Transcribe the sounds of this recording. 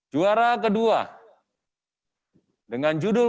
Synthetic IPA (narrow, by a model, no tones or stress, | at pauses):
d͡ʒuaɾak̬ədua̰ | dəŋand͡ʒudʊ